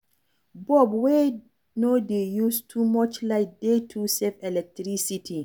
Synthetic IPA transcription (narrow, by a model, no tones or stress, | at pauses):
bɔbwe | nodejustʰumɔt͡ʃlaɪk̚detʰusefɛlɛk̚tɾisitʰi